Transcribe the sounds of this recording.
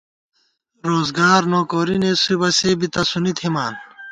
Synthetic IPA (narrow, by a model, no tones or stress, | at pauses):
ɾoːzɡaːɾnoːkoːɾinesibɐsebit̪ɐsunit̪ʰimaːn